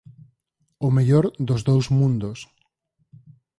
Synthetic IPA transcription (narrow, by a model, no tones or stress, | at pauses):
ʊmeʎoɾðʊzðowzmũnd̪ʊs